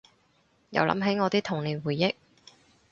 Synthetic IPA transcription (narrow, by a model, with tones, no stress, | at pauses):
jɐ̰˨wlɐ̰˨˥mɦe˨˥jŋɔː˨˧t̪iː˥t̪ʰʊ˨˩ŋliː˨nwuː˨jːɪ˥k̚